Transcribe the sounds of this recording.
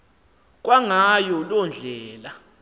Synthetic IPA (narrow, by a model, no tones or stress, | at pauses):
k̬ʼwaŋajɔlɔnd͡ɮʱɛːla